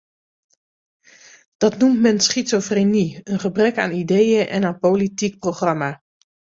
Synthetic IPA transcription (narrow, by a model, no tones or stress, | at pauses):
d̥ɑtnumtmɛnsχitsofreniənχəbrɛka̰ːnidejəʔɛ̰naːnpolitik̚proχrɑma